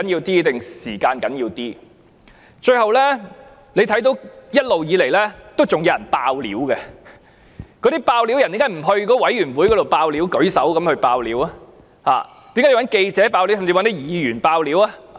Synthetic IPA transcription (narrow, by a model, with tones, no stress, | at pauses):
ɐ˨˥njiː˧wt̪iː˥t̪ɪ˨ŋsiː˨˩kaː˧nkɐ˨˥njiː˧wt̪iː˥ | t͡ʃɵ˧ɥhɐ˨wlɛː˥ | le˨˧jt̪ʰɐ˨˥jt̪o˨˥wjɐ˥t̚lo˨wjiː˨˧le˨˩jlɛː˥t̪o˥wt͡sʊ˨ŋjɐ˨˧wjɐ˨˩npaː˧wlḭː˨˥wkɛ˧ | kɔː˨˥ɾi˥paː˧wli˨˥wjɐ˨˩nt̪i˨˦˥kaː˨˥jm̩˨˩ɦɵ˧ɥkɔ˨˥wɐ˨˥jyː˨˩nwuː˨˥jkɔ˨˧t̪o˨wpaː˧wli˨˥wkɵ˨˥ɥsɐ˨˥wkɐ˨˥mhɵ˧ɥpaː˧wliː˨˥wɐ˥ | ha̰ː˨ | t̪i˨˥mka˧˥jwɐ˨˥nke˧jt͡sɛː˨˥paː˧wli˨˥wsɐ˨˩mt͡si˧wɐ˥nt̪i˥jiː˨˩jyː˨˩npaː˧wliː˨˥wa˥